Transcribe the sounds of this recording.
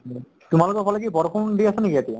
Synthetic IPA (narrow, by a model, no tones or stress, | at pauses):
t̪umalokɔpʰɔlɛk̬ibɔɾɔpʰund̪iasɔnekiat̪ia